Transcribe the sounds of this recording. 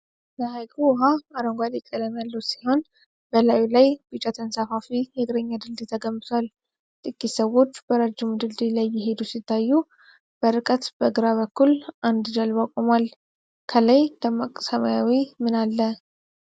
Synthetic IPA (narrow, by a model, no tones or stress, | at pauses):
ləhajkʰuwɦaaɾəŋɡʷalikʼːələmjalːusiho̞n | b̥əlajwilajb̥ɨt͡ʃʼat̪ʰənsafafijɛɡɨɾəɲːad̪ɨld̪ɨt̪ʰəɡəmːɨt̪ʰwal | t̪ʼɨkʼːisəwo̞t͡ʃːbəɾəd͡ʒːɪmd̪ɨld̪ilajːɪɦe̞d̪usit̪ʰːajːu | b̥əɾɨkʼət̪bəɡɨɾaβəkːulʔand̪d͡ʒalbakʼomal | kʰəlajd̪ʰəmakʼsəmajawimɨnalːə